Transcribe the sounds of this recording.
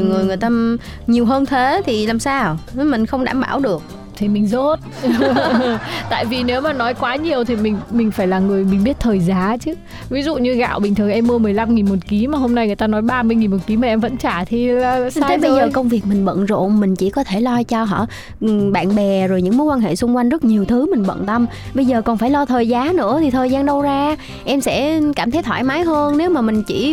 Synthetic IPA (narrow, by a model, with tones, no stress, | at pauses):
i˨˩wŋɨ˨˩əjŋɨ˨˩əjt̪aː˧ | ɲi˨˩əwɦəː˧nt̪ʰe˨˦t̪ʰi˨˩laː˨˩msaː˧wmï˨˩ŋ̟xə˧wŋ͡mɗa̰ː˧˩mɓaː˧˩wɗɨ˨˩ək̚ | t̪ʰi˨˩mï˨˩ŋ̟zo˦˥t̚ | t̪a̰ː˧˨jvi˨˩ne˨˦wmaː˨˩nɔ˨˦jkwaː˨˦ɲi˨˩əwt̪ʰi˨˩mï˨˩ŋ̟mï˨˩ŋ̟faː˧˩jlaː˨˩ŋɨ˨˩əjmï˨˩ɓi˦˥ət̚t̪ʰəː˨˩jzaː˨˦t͡ɕɨ˨˦ | vi˨˦zṵ˧˨ɲɨ˧ɣa̰ː˧˨wɓï˨˩ŋt̪ʰɨ˨˩əŋʔɛ˧mːɨ˧əmɨ˨˩əjla˧mŋi˨˩nmo˨˩t̚ki˨˦maː˨˩ɦo˧mna˧jŋɨ˨˩əjt̪aː˧nɔ˨˦jɓaː˧mɨ˧jŋi˨˩nmo˨˩t̚ki˨˦maː˨˩ʔɛ˧mvə̰˧˥nt͡ɕaː˧˩t̪ʰi˨˩la˩˧a˧ə˨˦jɓə˧zəː˨˩kə˧wŋ͡mvi˨˩ək̚mï˨˩ŋ̟ɓə̰˧˨nzo̰˧˨ŋ͡mmï˨˩ŋ̟t͡ɕi˧˩kɔ˨˦t̪ʰe˧˩lɔ˧t͡ɕɔ˧ɦɔ̰ː˧˥˨ | ɓa̰ː˧˨nɓɛ˨˩zo˨˩jɲɨ̰˧˥ŋmo˨˦jkwaː˧nɦḛ˧˨sʊ˧ŋ͡mkwa˧jŋ̟zə˦˥t̚ɲi˨˩əwt̪ʰɨ˨˦mï˨˩ŋ̟ɓə̰˧˨nt̪ə˧m | ɓə˧jzəː˨˩kɔ˨˩nfaː˧˩jlɔ˧t̪ʰəː˨˩jzaː˨˦nɨ̰˧˥ət̪ʰi˨˩t̪ʰəː˨˩jzaː˧nɗə˧wzaː˧ | ʔɛ˧msɛ̰˧˥kaː˧˩mt̪ʰə˨˦jt̪ʰwaː˧˩jmaː˨˦jɦəː˧nne˨˦wmaː˨˩mï˨˩ŋ̟t͡ɕi˧˩